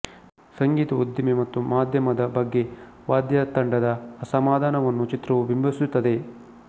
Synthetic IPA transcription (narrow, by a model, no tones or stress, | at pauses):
sɐŋɡiːt̪ɐud̪jɐmemɐt̪ːumaːd̪ʱjɐmɐd̪ɐbɐɡːe̞ | ʋaːd̪jɐt̪ɐɳɖɐd̪ɐːsɐmaːd̪aːnɐʋɐnːut͡ʃit̪ɾɐʋubimbʱɐsut̪ːɐd̪e